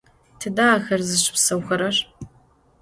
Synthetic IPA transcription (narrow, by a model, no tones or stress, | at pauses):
tʰɨdaːxɐrzɨʃɪ̥psɐwxɐɾɐr